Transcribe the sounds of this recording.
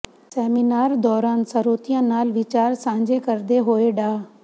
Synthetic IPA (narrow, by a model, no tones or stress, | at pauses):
sɛːminaːɾd̪ɔːɾaːnsɐɾoːt̪ijãnaːlʋɪt͡ɕaːɾsãːɲ̆d͡ʑekɐɾd̪eɦoːeɖaː